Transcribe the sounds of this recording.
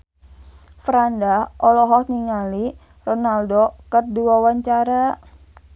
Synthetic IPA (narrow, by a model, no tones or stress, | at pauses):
fɾandahɔlɔɦɔk̚niŋali | rɔnaldokərduwawaɲt͡ʃaɾa